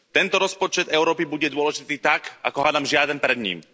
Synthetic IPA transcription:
t̪ɛnt̪ɔɾɔspɔt͡ʃɛd̪ɛʊɾɔːpibuɟɛd̪ʊɔlɛʒit̪iːt̪aka̰kɔɦaːd̪amʒɪad̪ɛnpɾɛd̪ɲḭːm

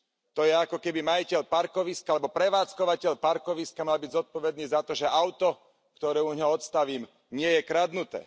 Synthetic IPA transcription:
t̪ɔjɛakɔkɛbimajicɛʎpaɾkɔʋiskalɛbɔpɾɛʋaːt͡skɔʋacɛʎpaɾkɔʋiskamalbiɟzɔt̪̚pɔʋɛd̪niːzat̪ɔʒɛʔaʊt̪ɔ | kt̪ɔɾɛːuɲɦɔɔt̪st̪aʋiːm | ɲɪɛjɛkɾad̪nut̪ɛ̰ː

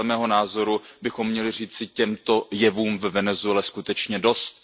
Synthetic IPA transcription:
ɛmɛːɦo̞naːzo̞ɾubɪxo̞mːɲɛlɪr̝iːt͡sɪcɛmt̪o̞jɛvuːmvvɛnɛzuɛlɛskut̪ɛt͡ʃɲɛdo̞st̪̚

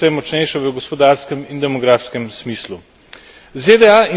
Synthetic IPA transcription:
ɔjɛmɔt͡ʃnɛjʃaʋəɡospɔd̪aːɾskəmind̪ɛmɔɡɾaːfskəmsmiːslu | zed̪ɛai

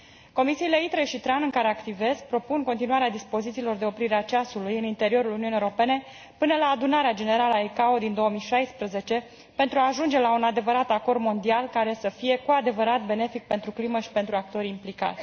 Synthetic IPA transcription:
ko̞misiːle̞it̪ɾe̞ʃit̪ɾanɨŋkaɾe̞akt̪ive̞sk̚pɾo̞punko̞nt̪inuaɾead̪ispo̞zit̪siːlo̞rd̪e̞o̞pɾiɾeat͡ʃasulujɨnint̪e̞ɾio̞ɾuluniunijeoɾo̞pe̞ne̞ | pɨnəlaːd̪unaɾead͡ʒe̞ne̞ɾaləaekaod̪ind̪o̞əmijʃajspɾəze̞t͡ʃe̞ | pe̞nt̪ɾuaːʒund͡ʒe̞launad̪e̞vəɾat̪ako̞rd̪mo̞nd̪ialkaɾe̞səfije̞kuad̪e̞vəɾat̪̚be̞ne̞fik̚pe̞nt̪ɾukliməʃi̥pe̞nt̪ɾuak̚t̪o̞ɾʲimplika̰t̪ʲ

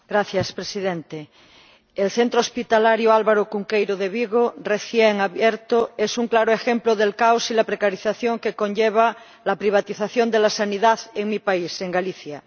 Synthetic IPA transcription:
ɡ̥ɾaθjaspɾesiðẽnt̪e | elθent̪ɾospit̪alaɾjoalβaɾokuŋkejɾoðeβiɣoreθjeŋaβjeɾt̪oesuŋklaɾoexemploðelkawsilapɾekaɾiθaθjoŋkekonʎeβ̞a | lapɾiβ̞at̪iθaθjond̪elasaniðaðeŋmipaiseŋɡaliθja

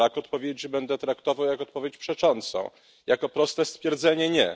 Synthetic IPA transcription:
akɔt̪pɔvʲjed͡ʑʐɛbɛnd̪ɛt̪ɾakt̪ɔvawjakɔt̪̚pɔvʲjet͡ɕpʂɛt͡ʂɔnt̪sɔ̰̃w̃ | jakɔpɾɔst̪ɛst̪fʲjɛɾd̪zɛɲɛɲɛ̰

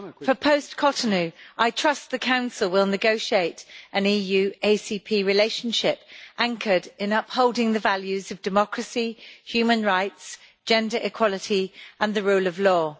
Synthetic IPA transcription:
fəpʰəʊskʰɒtənʉʔaɪtʰɹ̥ʌst̪ðəkʰãʊ̃nsəlˠwɪlˠnɪɡəʊʃieɪtʔə̃niːjʉːeɪsipʰiːɹɪleɪʃə̃nʃɪpʔæ̃ŋkʰədɪ̃nʌphoʊlˠdɪ̃ŋðəvaljʉzəvdɪmɒkʰɹəsihjʉːmə̃nɹaɪts | d̥ʒ̥ɛ̃ndəɹʔɪkʰw̥ɒlɪtʰiʔə̃nðəɹʉːləvlɔː

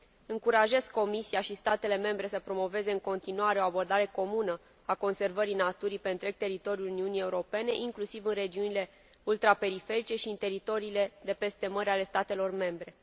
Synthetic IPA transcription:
ɨŋkuɾaʒe̞zkko̞misiaʃist̪at̪e̞le̞me̞mbɾe̞səpɾo̞mo̞ve̞ze̞ɨŋko̞nt̪inuaɾe̞o̞abo̞rd̪aɾe̞ko̞munə | ako̞nse̞rvəɾinat̪uɾipe̞nt̪ɾe̞ɡ̚t̪e̞ɾit̪o̞ɾiuluniunije̞uɾo̞pe̞ne̞ʔiŋklusivɨnre̞d͡ʒiunile̞ | ult̪ɾape̞ɾife̞ɾit͡ʃe̞ʃiɨnt̪e̞ɾit̪o̞ɾiːle̞d̪e̞pe̞st̪e̞məɾʲale̞st̪at̪e̞lo̞rme̞mbɾe̞

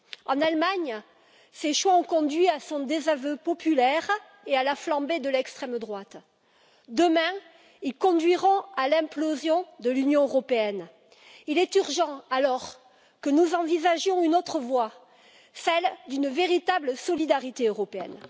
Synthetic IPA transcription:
ɑ̰̃nalmaɲ | seʃwaɔ̃kɔ̃d̪ɥiasɔ̃d̪ezavøpɔpylɛʁ | ealaflɑ̃bed̪əlɛkst̪χɛmd̪ʁwat̪ | d̪əmɛ̃ | ilkɔ̃d̪ɥiʁɔ̃alɛ̃plozjɔ̃d̪əlynjɔ̃øʁɔpeɛn | ilɛt̪yʁʒɑ̃alɔʁ | kənuzɑ̃vizaʒjɔ̃ynot̪χəvwa | sɛld̪ynveʁit̪abləsɔlid̪aʁit̪eøʁɔpeɛ̰n

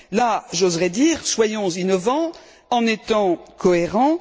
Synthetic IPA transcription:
laʒozʁɛd̪iːʁswajɔ̃zinɔvɑ̃ | ɑ̃net̪ɑ̃kʰɔeʁɑ̃

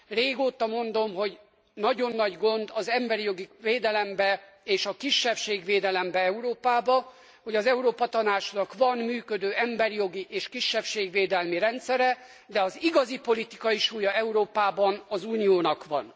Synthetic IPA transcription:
reːɡoːt̪ɒmo̞nd̪o̞mɦo̞ɟ | nɒɟo̞nːɒɟɡo̞nd̪ɒzɛmbɛɾijo̞ɡiveːd̪ɛlɛmbɛ | eːʃɒkiʃːɛfʃeːɡʋeːd̪ɛlɛmbɛɛuɾoːpaːbɒ | ho̞ɟɒzɛuɾoːpɒt̪ɒnaːt͡ʃnɒkʋɒnmyːkø̞d̪øːɛmbɛɾijo̞ɡiʔeːʃkiʃːɛfʃeːɡʋeːd̪ɛlmiɾɛnt̪sɛɾɛ | d̪ɛɒziɡɒzipo̞lit̪ikɒiʃuːjɒɛuɾoːpaːbɒnɒzuːnijoːnɒkʋɒ̰n

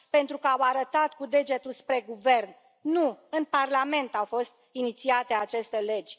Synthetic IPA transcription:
pe̞nt̪ɾukəawaɾət̪at̪kud̪e̞d͡ʒe̞t̪ulspɾe̞ɡuve̞rn | nuɨnparlame̞nt̪awfo̞st̪init̪siat̪e̞at͡ʃe̞st̪e̞le̞d͡ʒʲ

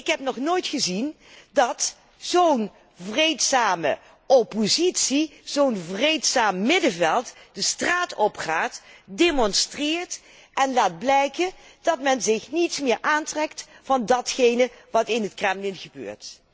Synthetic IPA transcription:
ɪkɦɛpnɔχnoːjtχəzin | dɑt | zown | vrejtsaːmə̰ | ʔɔpozitsiz̥ownvrejtsaːmːɪdəvɛlˠtdəstraːtɔpχaːtdeːmɔnstrɪːɹt | ʔɛnlaːd̚blɛjkənd̥ɑtmɛnzɪxnitsmɪːɹʔaːntrɛktfɑndɑtχejnəʋɑtɪnɦətkrɛmlɪnɣəbø̰ːɹt

